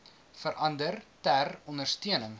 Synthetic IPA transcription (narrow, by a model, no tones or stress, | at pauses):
fəɾʔɐndərtærɔndərstiənəŋ